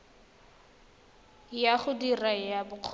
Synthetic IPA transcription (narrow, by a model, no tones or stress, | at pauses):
jaχʊdirajabʊq͡χʰ